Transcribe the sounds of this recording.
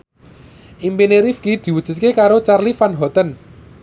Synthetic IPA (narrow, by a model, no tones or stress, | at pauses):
ʔimpineɾifɡid̪̥i̤wud̥ʒ̥ṳt̪̚kekaɾot͡ʃarlifanɦɔt̪ən